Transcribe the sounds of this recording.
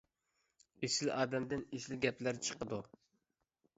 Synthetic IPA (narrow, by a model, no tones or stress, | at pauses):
esɪlɑːd̪ɛmd̪ɪnesɪlɡʲɛplæɾt͡ʃʰə̥qəd̪u